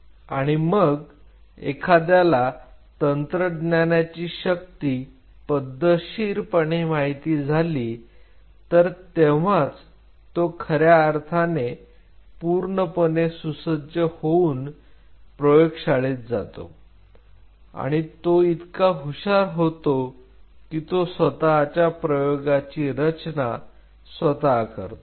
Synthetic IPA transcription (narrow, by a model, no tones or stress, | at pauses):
a̰ɽ̃iməɡ | ḛkʰad̪jalat̪ənt̪ɾəɖnjanjat͡ɕiːɕək̚t̪iː | pəd̪ʱːəɕiːɾpəɳemaɦit̪iːd͡zʱaliː | t̪əɾt̪eʋ̤at͡s | t̪okʰəɾjaːɾt̪ʰane | puɾɳəpənesusəd͡ʑʱjəhouːn | pɾəjoɡɕaɭet̪̚d͡za̰t̪o̰ | a̰ɽ̃it̪oit̪kaɦuɕaɾɦot̪o | kit̪osʋət̪aːt͡ɕjapɾəjoɡat͡ɕiːɾət͡ɕna | sʋət̪akə̰ɾt̪o